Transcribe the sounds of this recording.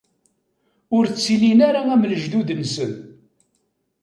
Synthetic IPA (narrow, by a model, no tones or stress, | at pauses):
ʊɾt͡sːilinaɾaæmləʒd̪ud̪ənsən